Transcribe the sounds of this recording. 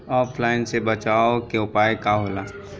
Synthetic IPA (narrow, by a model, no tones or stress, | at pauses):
ɔːpʰlaːɪnsebət͡ʃaːokeʊpaːjkaɦola